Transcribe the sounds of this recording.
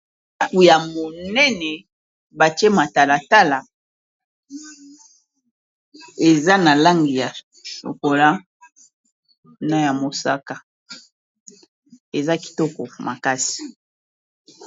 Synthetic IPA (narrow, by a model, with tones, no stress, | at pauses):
ku˨ja˨mo˨nɛ˦nɛ˨ | ba˨ti˦ɛ˦ma˨ta˨la˨ta˦la˨ | e˨za˦na˨la˦ŋɡi˨ja˨ | ʃo̰˨ko˨la˦ | na˦ja˨mo˨sa̰˦ka˨ | e˨za˦ki̥˨tɔ˦kɔ˨ma˨ka˦si̥˨